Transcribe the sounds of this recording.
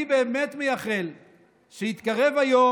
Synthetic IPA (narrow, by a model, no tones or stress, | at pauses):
ibeːme̞t̪mejaχel | ʃeit̪kaʁe̞vajo